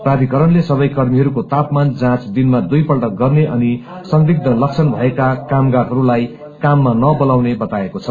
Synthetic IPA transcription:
prad̪ʱikʌɾʌnlesʌbʌjkʌrmiɦʌɾukot̪apmand͡zãt͡sd̪inmad̪ujpʌlʈʌk̚ɡʌrneʔʌni | sʌŋɡriɡ̚d̪ʱʌlʌkt͡sʰʌnbʱʌekakamɡaɾɦʌɾulaj | kamːanʌbʌlawnebʌt̪aekot͡sʰʌ

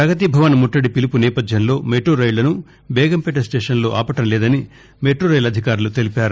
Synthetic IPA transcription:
pɾɐɡɐt̪ibʱɐʋɐnmuʈːɐɽipilipunɛːpɐd̪ʱjɐnlo̞ːmeːʈoːɾɐjlɐnu | bɛːɡɐmpɛʈɐsʈeːʂɐnlo̞ːʔaːpɐʈɐmlɛːd̪ɐni | meːʈoːɾɐjlɐd̪ʱikaːɾulut̪e̞lipaːɾu

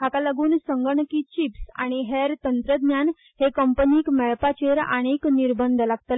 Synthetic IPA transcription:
ɦakalaɡuːnsəŋɡəɳəkiːt͡ɕipsa̰ɽ̃iɦeɾt̪ənt̪ɾəd̪njan | ɦekəmpəniːkmɛɭpat͡ɕeɾa̰ɽ̃ekniɾbənd̪ʱlaɡ̚t̪ə

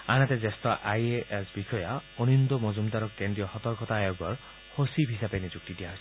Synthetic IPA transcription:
anat̪ed͡ʒest̪ɔʔajeʔesbikʰɔjɔɔnind̪ɔmɔd͡ʒumd̪aɾɔkend̪ɾijɔhɔt̪ɔɾkɔt̪aːjɔɡɔɾ | hosibʱisabenid͡ʒuk̚t̪idijaɦɔs

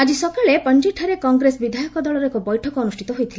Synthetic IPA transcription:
ad͡ʒisɔkɔɭepɔnd͡ʒiʈʰaɾekɔŋɡɾesbid̪ʱajɔkɔd̪ɔɭɔɾɔekɔbɔjʈʰɔkɔɔnusʈʰit̪ɔɦojt̪ʰile

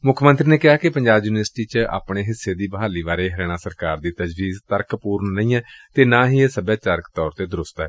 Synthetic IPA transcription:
mʊkʰmə̃nt̪ɾiːneːkɪɦaːkɪpəɲd͡ʒaːbjuːnʋəɾsʈiːt͡ʃəa̰ːpɳeːɦɪsːeːd̪iːbəɦaːliːʋaːɾeːɦəɾɛːɽ̃ãːsəɾkaːɾd̪iːt̪əd͡ʒʋiːzt̪əɾkpuːɾnːə̃ĩːɛːt̪eːnãːɦiːeːsəbaːt͡ʃəɾkt̪ɔːɾt̪eːd̪əɾʊst̪ɛː

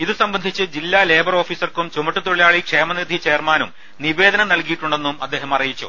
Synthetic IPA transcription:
iðɨsɐmbɐnd̪ʱit͡ɕːɨd͡ʑilːale̞ːbɐro̞ːfiːsɐrkumt͡ɕumɐʈːut̪uɻijaːɭikʂe̞ːmɐnid̪ʱit͡ɕe̞ːrmaːnum | niʋe̞ːd̪ɐnɐnɐɭlkijiʈːuɳɖe̞nːumɐd̪ːe̞ːɦɐmɐrijit͡ɕːṵ

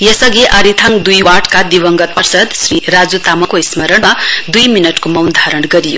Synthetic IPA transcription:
jʌsʌɡiʔʌɾit̪ʰaŋd̪ujwaʈkad̪ibʌŋɡʌt̪̚pʌrsʌd̪sriɾad͡zut̪amʌkoismʌɾʌɳmad̪ujminʌʈkomʌwnd̪ʱaɾʌɳɡʌɾijo̰

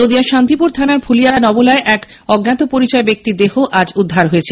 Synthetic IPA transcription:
od̪iaʃant̪ipuɾt̪ʰanaɾbʰulijanɔbolaeʔɛk | ɔɡnat̪opoɾit͡ɕɔebek̚t̪id̪eɦoʔad͡ʑud̪ʱːaɾɦojet͡ɕʰe

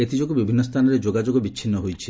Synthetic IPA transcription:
et̪id͡ʒokubibʱinːɔst̪ʰanɔɾed͡ʒoɡad͡ʒoɡɔbit͡ʃʰinːɔɦojt͡ʃʰi

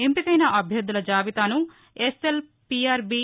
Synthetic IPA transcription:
empikɐjnɐʔɐbʱjɐd̪ːulɐd͡ʒaːʋit̪aːnu | esel | piaːɾbi

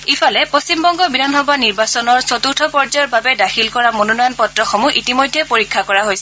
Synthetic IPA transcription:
ifʰɔlɛpost͡ɕimbɔŋɡɔbidʱanxɔbaniɹbasɔnɔɹsɔtuɹtʰɔpɔɹzɔjɔbabɛdaxilkɔɹamononɔjɔnpɔtɹɔxɔmuʔitimojdʱːɛpoɹikʰːakɔɹaɦojsɛ

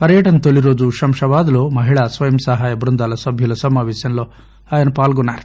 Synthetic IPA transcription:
pɐɾjɐʈɐnt̪oliɾoːd͡ʒuʃɐmʂɐʋaːd̪loːmɐɦiɭɐsʋɐjɐmsɐɦaːjɐbɾund̪aːlɐsɐbʱjulɐsɐmaːʋeːsɐnlo | ɐːjɐnɐpaːlɡunaːɾt̪

